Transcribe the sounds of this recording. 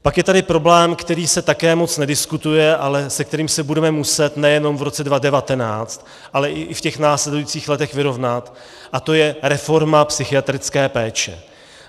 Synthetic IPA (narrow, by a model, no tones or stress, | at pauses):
pakjɛt̪adɪpɾo̞blɛːmkt̪ɛɾiːsɛt̪akɛːmo̞t͡snɛdɪskut̪ujɛʔalɛsɛk̚t̪ɛɾiːmsɛbudɛmɛmusɛt̪nɛjɛno̞mvɾo̞t͡sɛdvadɛvat̪ɛnaːt͡st̪ | ʔalɛʔɪʔɪfcɛxnaːslɛdujit͡siːxlɛt̪ɛxvɪɾo̞vnat̪ | ʔat̪o̞jɛɾɛfo̞ɾmapsɪxɪat̪ɾɪt͡skɛːpɛːt͡ʃɛ̰